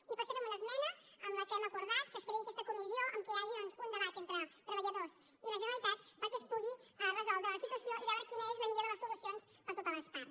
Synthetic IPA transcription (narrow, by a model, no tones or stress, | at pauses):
ipəɾʃokemənəzmɛnə | əmləkɛməkuɾðat̪̚kəst̪əɾiəkɛst̪əkumizijoʔəmkiaʒionspunəɾat̪ent̪ɾət̪ɾəβəʎəðos | iləʒənəlit̪at̪̚pəɾkespuɣirəzɔlˠd̪ɾələsit̪wəsioʔiβɛwɾəkinəezləmiʎoɾðələstulusions | pəɾt̪ot̪ələspaɾ